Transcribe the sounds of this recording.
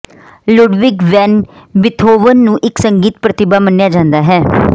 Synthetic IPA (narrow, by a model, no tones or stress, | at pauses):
lʊɖʋɪɡʋɛːnbɪt̪ʰoːʋənːũːʔɪksəŋɡiːt̪̚pɾət̪ɪbaːmənːjaːd͡ʒãːnd̪aːɦɛː